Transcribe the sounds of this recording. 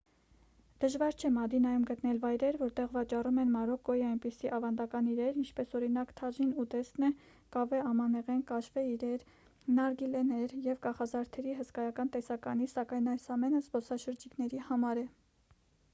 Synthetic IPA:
d̪̥əʒvɑɾt͡ʃʰɛmɑd̪inɑjumɡət̪nɛlvɑjɾɛɾvɔɾt̪ɛʁvɑt͡ʃɑrumɛnmɑɾɔkɡ̚ɔjiɑjnpisiʔɑvɑnd̪ɑkɑniɾɛɾint͡ʃʰpɛsɔɾinɑkt̪ʰɑʒinut̪ɛsnɛ | kɑvɛɑmɑnɛʁɛnkɑʃvɛiɾɛɾ | nɑɾɡilɛnɛɾjɛvkɑχɑzɑɾt̪ʰɛɾiɦəskɑjɑkɑnt̪ɛsɑkɑnisɑkɑjnɑjsɑmɛnəzbɔsɑʃəɾd͡ʒiknɛɾihɑmɑɾɛ

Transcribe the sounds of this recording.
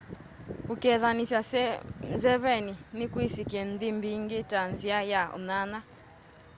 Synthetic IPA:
kukɛðanisasnzɛβɛninikwisikɛndimbiŋɡitanziajaɔ̰nana

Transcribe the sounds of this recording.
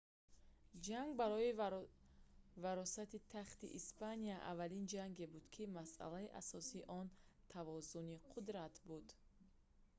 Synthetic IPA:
d͡ʒaŋɡbaɾɔi | vaɾɔsat̪it̪ʰaχt̪ḭʔispanijaʔa̰valind͡ʒaŋɡebud̪̥kʰimasʔa̰laiʔa̰sɔsiʔɔnt̪ʰavɔzuniqʰud̪ɾat̪bud̪

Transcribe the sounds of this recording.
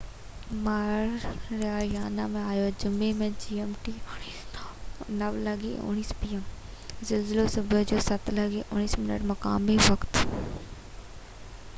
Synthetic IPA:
maːɾɾaːjaːnamẽaːjod͡ʑʊmemẽd͡ʑiːemʈi | nɐʋlɐɠḭʊ̰ɽ̃iːspiːɛm | zɐlzɪlosʊbʱʊd͡ʑoːsɐt̪lɐɡiʔʊñiːsmɪnə̰ʈmɐkaːmiʋɐkt̪

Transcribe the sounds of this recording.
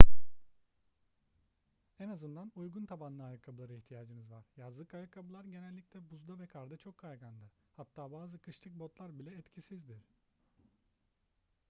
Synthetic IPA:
ɛnazɯnd̪anujɡunt̪ʰabanlˠɯajɯkʰabulˠaɾɯiçt̪ʰijaːd͡ʒɯnɯzvaɾ̥jazlˠɯkajɯkʰabulˠaɾɟe̞nɛlʲːicʲlʲɛbuzd̪avɛkʰaɾd̪at͡ʃʰo̞kʰːajɡand̪ɯ | hat̪ʰːaːbaːzɯkʰɯʃt̪ʰˠɯk̚bo̞t̪lˠaɾbilʲɛːt̪cʰisizd̪iɾ̥

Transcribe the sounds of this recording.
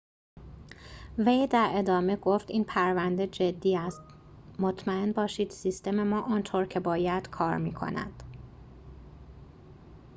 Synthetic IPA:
ve̞jd̪æɾe̞d̪ɒːme̞ɡo̞ft̪iːnpʰæɾvænd̪e̞d͡ʒed̪ːiːæst̪ | mo̞t̪ʰmæe̞nbɒːʃiːd̪̥sist̪e̞me̞mɒːʔɒːnt̪ʰoɾcʰe̞bɒːjæd̪̥kʰɒːɾmiːkʰo̞̰næ̰d̪̥

